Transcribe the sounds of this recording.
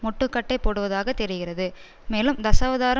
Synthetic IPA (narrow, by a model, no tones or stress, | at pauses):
mɔʈːɯkːɐʈːɐɪpoːɽɯʋɐðaːɣɐt̪ɛɾɪɣɪrɐðɯ | meːlɯmd̪ɐsɐːʋɐðaːɾɐ